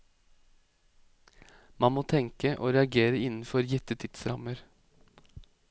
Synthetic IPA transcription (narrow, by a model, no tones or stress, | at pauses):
mɑnmoːt̪ʰɛŋkəʔo̰ːɾɛɑɡeːɾəɪnn̩fɔɾjɛt̪ət̪ʰɪt̪sɾɑməɾ